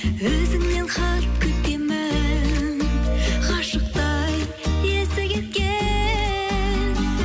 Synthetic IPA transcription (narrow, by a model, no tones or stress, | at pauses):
wɵzɪŋnenχɑp̚kʲʰʏt̪k̪emɪ | qʰɑʃəq̚t̪ɑj | esɪkʲe̞t̪̚kʲe | n